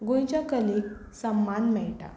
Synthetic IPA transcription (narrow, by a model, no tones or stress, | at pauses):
ɡõj̃t͡ɕjakəlek̚ | səmːanmɛɭʈa̰